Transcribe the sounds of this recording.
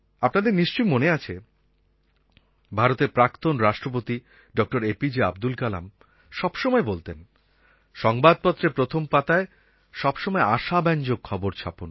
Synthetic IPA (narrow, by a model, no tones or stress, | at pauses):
apnad̪eɾniʃt͡ɕojmoneat͡ɕʰe | bʱaɾot̪eɾpɾakt̪onɾaʃʈɾopot̪i | ɖɔk̚ʈoɾepid͡ʑea̰b̚d̪ulkala̰m | ʃɔbʃɔmɔebolt̪en | ʃɔŋbad̪̚pɔt̪ːɾepɾot̪ʰompat̪ae | ʃɔbʃɔmɔeaʃabɛnd͡ʑoɡ̚kʰɔboɾt͡ɕʰa̰pon